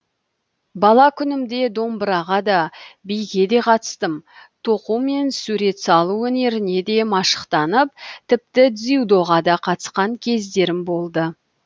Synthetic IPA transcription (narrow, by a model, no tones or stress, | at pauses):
bɑlˠɑkʲʰʏnɪmd̪e̞d̪o̞mbɾɑʁɑd̪ɑbijɡʲe̞d̪e̞qʰɑt̪ə̥st̪əmt̪ʰo̞qume̞nsuɾe̞t̪sɑlˠuɵne̞ɾɪne̞d̪e̞mɑʃə̥qt̪ɑnəp̚t̪ʰɪp̚t̪ɪd̪ziud̪o̞ʁɑd̪ɑqʰɑt̪ə̥sqɑŋkʲʰe̞zd̪e̞ɾɪmbo̞lˠd̪ə